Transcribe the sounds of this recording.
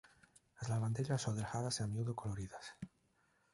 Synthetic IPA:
lazlaɾβand̪eʎassoðelxaðaseamjuðokoloɾiðas

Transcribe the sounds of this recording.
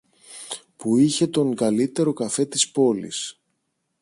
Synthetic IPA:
puiçe̞t̪o̞ŋɡɐlit̪e̞ɾo̞kɐfe̞t̪ispo̞lḭs

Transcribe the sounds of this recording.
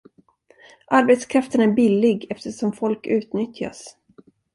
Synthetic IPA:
ʔaɾbɛt̪skʰɾaft̪ənæɾbɪlːɪɡɛft̪əʂɔmfɔlkʉ̟ːt̪nʏt̪ja̰s

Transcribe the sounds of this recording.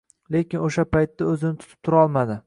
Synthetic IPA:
lekʲɪnoʃapajt̪ːaɵzɪnɪt̪ʰʊ̥t̪ʰɪ̥p̚t̪ʰʊɾɒlˠmad̪ɪ

